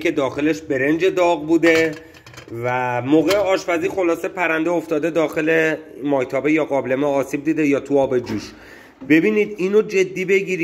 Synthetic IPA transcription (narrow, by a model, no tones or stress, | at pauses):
kʰe̞d̪ɒːxe̞le̞ʃbe̞ɾe̞nd͡ʒe̞d̪ɒːɣbuːd̪e̞ | væmoːɣe̞eɒːʃfæziːxo̞lɒːsepʰæɾænd̪eoft̪ɒːd̪e̞d̪ɒːxe̞le̞mɒːjt̪ʰɒːbe̞jɒːɣɒːblemeɒːsiːb̚d̪iːd̪e̞jɒːt̪ʰuɒːbe̞d͡ʒuːʃ | be̞biːniːd̪iːnod͡ʒe̞d̪ːiːbe̞ɟiːɾi